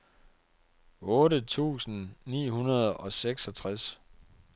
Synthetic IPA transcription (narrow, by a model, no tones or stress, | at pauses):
ɔ̽ːɾət͡sʰṵːsn̩nḭːɦunɐð̞̩ˠɒ̽seɡ̥sɒt͡sʰʁas